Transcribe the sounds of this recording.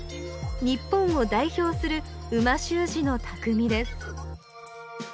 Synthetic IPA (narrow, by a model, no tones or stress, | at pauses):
ɲ̟ipːõ̞ɰ̃o̞d̪aiço̞ːsɨɾɯ̟ɯ̟maɕɨːʑino̞t̪ʰakɯ̟mʲid̪e̞sɨ̥